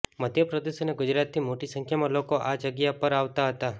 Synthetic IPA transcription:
məd̪ʱjəpɾəd̪esəneɡʊd͡ʒɾat̪nimoʈisə̃ŋkʰjamãlokoʔad͡ʒəɡjapəɾaʋt̪aɦət̪a

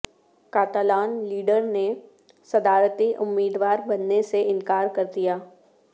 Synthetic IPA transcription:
kaːt̪aːlaːnliːɖəɾne | sɐd̪aːɾt̪iʔʊmːiːd̪ʋaːɾbɐnːeseɪ̃nkaːɾkɐɾd̪ijaː

